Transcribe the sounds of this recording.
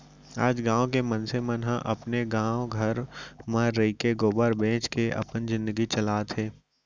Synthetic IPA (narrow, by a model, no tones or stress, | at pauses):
a̰ːd͡ʒɡãːõk̬emɐnsemənɦãʔɐpneɡãːõɡʱɐɾməɾːəikeɡoːbəɾbẽːt͡ʃkeʔɐ̰pənzɪ̃nd̪əɡit͡ʃɐlaːt̪ʰeː